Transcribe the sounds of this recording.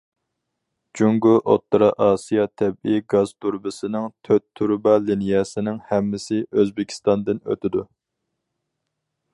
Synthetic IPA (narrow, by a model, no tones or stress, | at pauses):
d͡ʒuŋɡuʔo̰t̪ːɾɑʔɑːsijɑt̪ʰɛbiɡɑzt̪ʰuɾbɨsɪnɪŋt̪ʰøt̪ʰːuɾbɑlinijɛsɪnɪŋhɛmːɪsɪʔøzbɪkʲʰi̥st̪ɑnd̪ɨnø̰t̪ʰɪd̪u